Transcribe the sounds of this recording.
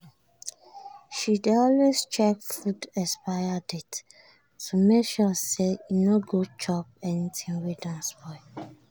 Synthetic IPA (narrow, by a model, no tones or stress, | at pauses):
ʃidɔlwest͡ʃɛk̚fudɛspajadit | tumɛʃɔsejinoɡot͡ʃɔp̚ɛnitʰĩŋwedãnsbɔɪ